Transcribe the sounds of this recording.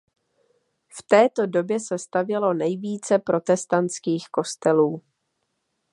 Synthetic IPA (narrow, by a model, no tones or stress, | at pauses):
ft̪ɛːt̪o̞do̞bjɛsɛst̪avjɛlo̞nɛjviːt͡sɛpɾo̞t̪ɛst̪ant͡skiːxko̞st̪ɛluː